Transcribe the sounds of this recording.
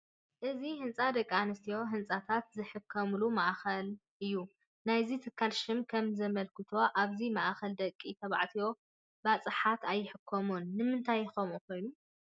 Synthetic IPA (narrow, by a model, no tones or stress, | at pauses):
ʔɨzihɨnt͡sʼad̪ɐkʼːanɨst̪ʰijo̞ɦɨnt͡sʼat̪ʰat̪zɨħɨkʰːɐmlumaʔxɐlʔɨjːu | najzit̪ʰɨkʰːalʃɪmkʰɐmzɐmɐlkʰɨt̪ʰo̞ʔaβzimaʔxɐld̪ɐkʼːit̪ʰɐβa̰ʕt̪ʰijo̞ | bat͡sʼɨħat̪ʰajːɪħɨkʰːomunːɨmɨnt̪ʰajxomuko̞jnu